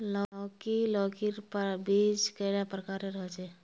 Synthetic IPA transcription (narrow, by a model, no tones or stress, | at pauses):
lɔɔkilɔkiɾpəbid͡ʒkeɽapɾəkaɾeɾəɦɛt͡ʃɛ